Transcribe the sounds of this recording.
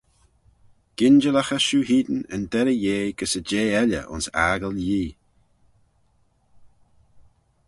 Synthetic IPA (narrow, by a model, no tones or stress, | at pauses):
ɡ̥ɪnd͡ʒəlaxəʃuːhiːd̪ənə̰nd̪ɛɾəjeːɡ̥əsəd͡ʒeːɛlə̰ʔʊ̰nsa̰ːɡəljiː